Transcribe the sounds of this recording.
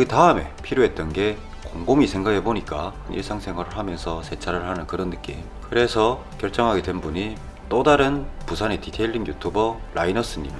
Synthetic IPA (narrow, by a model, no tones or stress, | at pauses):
itaɯme̞pʰiɾjoɦe̞t̚t͈ʌnɡe̞ | koŋɡomisʰe̞ŋɡakʰeboɲik͈anʔḭɭs͈aŋsʰe̞ŋɦwaɾɯɭɦamjʌnsʰʌsʰe̞t͡ɕʰaɾɯɭhanɯnkɯɾʌnːɯk͈im | kɯɾe̞sʰʌ | kjʌɭt͡ɕ͈ʌŋɦaɡedwe̞nbuɲi | t͈odaɾɯnpusʰane̞titʰe̞ʎːinjutʰubʌɾʔainʌs͈ɯɲida